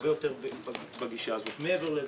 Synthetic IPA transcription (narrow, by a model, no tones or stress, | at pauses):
bejo̞t̪eʁbb | baɡiʃaːzo̞t̪meeveʁlez